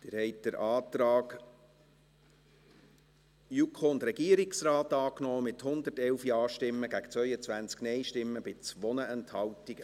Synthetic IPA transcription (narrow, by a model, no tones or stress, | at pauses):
d̥ɪːɾhɛɪt̚d̥əɾʔɑːt̪ɾɑːɡ | jukʰond̪ɾɛɡiəɾiksɾɑːtɑːknɔːmɪthʊnd̪ərtɛlfjɑːʃtɪmːəɡæɡə̥t͡svœʏət͡sʋænt͡sknɛjʃtɪmːəb̥ɪt͡sʋɔnəʔɛnthɑwtiɡə